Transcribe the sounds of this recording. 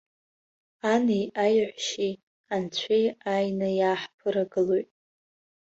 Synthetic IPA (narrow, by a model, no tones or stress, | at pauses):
anijajʕʷʃi | ant͡ɕʷʰijajnajaːħpʰɨɾaɡɨlojtʼ